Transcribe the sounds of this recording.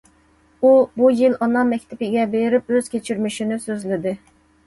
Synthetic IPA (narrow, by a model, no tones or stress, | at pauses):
ubujilɑnɑnmɛkʲt̪ʰɪpɪɡʲɛbeɾɪp̚øz̥kʲet͡ʃʰyɾmyʃinɪsøzlɪd̪ɪ